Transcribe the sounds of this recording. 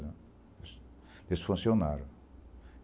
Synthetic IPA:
s | d̪esfũnsjonaɾ

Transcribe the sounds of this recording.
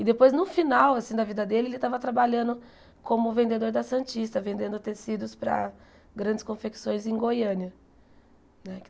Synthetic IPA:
ɪd̪epojznʊfinawasĩd̪ɐvid̪ɐd̪elɪelɪt̪avɐt̪ɾabaʎɐ̃nd̪ʊ | kõmʊvẽnd̪ed̪oɾd̪ɐsɐ̃nt͡ʃist̪ɐvẽnd̪ẽnd̪ʊt̪esid̪ʊspɾɐ̰ | ɡɾɐ̃d͡ʒɪskõfeksõj̃zẽj̃ɡojɐ̃niɐ | nɛk

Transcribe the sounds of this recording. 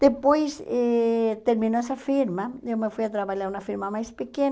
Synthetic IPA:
d̪̥epojsɛt̪eɾmĩnoɛsɐfiɾmɐewmefujat̪ɾaβaʎaɾunɐfiɾmɐmajspeken

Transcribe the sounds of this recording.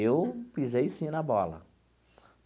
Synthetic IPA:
ewpizejsĩnɐbɔlɐ̰

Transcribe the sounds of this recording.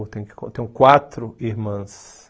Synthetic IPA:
t̪ẽj̃kkõ̰t̪ẽj̃kwat̪ɾʊihmɐ̃s

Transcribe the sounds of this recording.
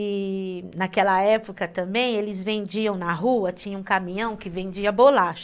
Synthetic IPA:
nakɛlɐɛpokɐt̪ɐ̃mbẽj̃elɪzvẽnd͡ʒiɐ̃w̃nɐɦuɐt͡ʃĩɲɐũkamĩɲɐ̃w̃kɪvẽnd͡ʒiɐbolaʃʊ

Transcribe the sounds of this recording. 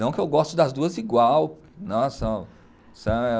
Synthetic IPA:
ɐ̃w̃kɪewɡɔst̪ʊd̪ɐzd̪uɐziɡwaw | nõsɐ̃ | sɐ̃ɛ

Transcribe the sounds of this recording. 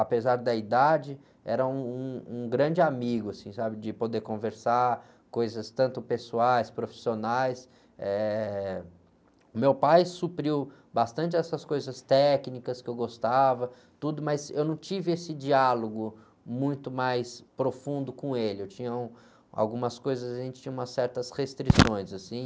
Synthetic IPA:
apezaɾd̪ɐid̪ad͡ʒɪ | ɛ̰ɾɐũũũɡɾɐ̃d͡ʒɪamiɡʊasĩsabɪd͡ʒɪpod̪eɾkõveɾsaɾ | kojzɐst̪ɐ̃nt̪ʊpesuajspɾofi̥sionajs | ɛ | ʊmewpajsupɾiw | bast̪ɐ̃nt͡ʃɪɛsɐskojzɐst̪ɛknikɐskɪewɡost̪avɐ | t̪ud̪ʊmɐzewnɐ̃w̃t͡ʃivɪesɪd͡ʒialoɡʊ | mũj̃t̪ʊmajspɾofũnd̪ʊkõelɪewt͡ʃĩɲɐũ | a̰wɡũmɐskojzɐzaʒẽnt͡ʃɪ̥t͡ʃĩɲɐũmɐsɛɾt̪ɐshest̪ɾisõj̃zasĩ

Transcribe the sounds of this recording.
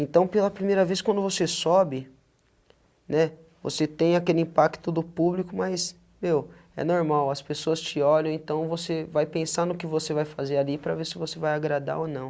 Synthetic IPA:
ẽnt̪ɐ̃w̃pelɐpɾimejɾɐveskwɐ̃nd̪ʊvosesɔbɪ | nɛ | vo̰set̪ẽj̃akelɪĩpakt̪ʊd̪ʊpublikʊmajs | mew | ɛ̰noɾmawɐspesoɐst͡ʃɪɔʎɐ̃ẽnt̪ɐ̃w̃vosevajpẽsanʊkɪvosevajfazealipɾɐvesɪvosevajaɡɾad̪a̰ɾonɐ̃w̃

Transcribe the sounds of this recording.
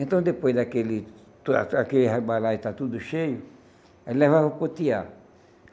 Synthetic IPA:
ẽnt̪ɐ̃w̃d̪epojzd̪akelɪ | a̰akelihebalat̪at̪ud̪ʊʃejʊ | alɛvavapot̪ia

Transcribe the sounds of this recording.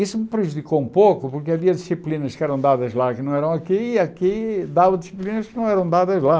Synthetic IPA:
isumɨpɾɨʒuðikoũpokupuɾkɐviɐðisiplˠinɐʃkɛɾɐ̃w̃d̪aðɐʒlˠaknɐ̃w̃ɛɾɐ̃w̃ɐkiiɐkid̪avɐd̪isiplˠinɐʃkɨnɐ̃w̃ɛɾɐ̃w̃d̪aðɐʒlˠa

